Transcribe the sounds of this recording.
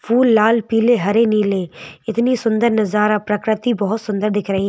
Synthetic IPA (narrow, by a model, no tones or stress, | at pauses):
fʰuːlːaːlpiːleɦɐɾeniːleːɪt̪nisʊ̃nd̪əɾnɐzaːɾapɾəkɾɪt̪ibɐɦʊt̪sʊ̃nd̪əɾd̪ɪkʰɾɐɦi